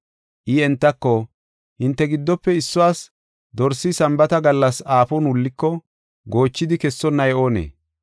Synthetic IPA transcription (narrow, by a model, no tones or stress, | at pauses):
ʔɪɛnt̪ːɐkːo | hɪnt̪ːɛɡɪd̪ːɔpːɛɪsːʊwaːs | d̪ɔɾsːɪsɐmbɐt̪ɐɡɐlːɐsaːfɔnwʊlːɪkːɔ | ɡo̞ːt͡ʃːɪd̪ɪkɛsːɔnːɐjʔo̞ːnḛː